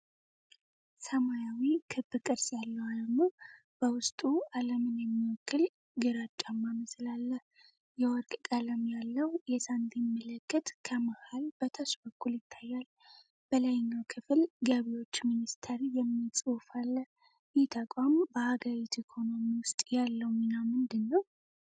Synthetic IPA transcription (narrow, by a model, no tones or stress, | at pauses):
səmajawikʰɨbːɨkʼɨɾsjalːəwaləmu | b̥əwʊst̪ʼualəmɨnjɛmːiɔkːɨl | ɡɨɾat͡ʃʼːamːaməslalːəh | jɛwɔɾkʼkʼaləmjalːəwjɛsand̪imːələkʰːɨt̪kʰəmahalb̥ət̪ʰəsbəkʰːuljɪt̪ʰːajːal | b̥əlajɪɲːawkʰɨfɨlɡaβijo̞t͡ʃːminist̪ʰəɾijɛmːit͡sʼufalːəh | jɛt̪ʰəkʼambəhaɡəɾit̪ʰikʰo̞no̞miwʊst̪ʼjalːəwminamɨnd̪ɨnːəw